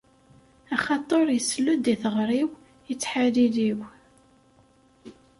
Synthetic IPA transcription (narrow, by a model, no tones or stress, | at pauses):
æχɑt̪ˤoɾˤjəslːud̪iθəʁɾiw | jət͡sːħaðiðiw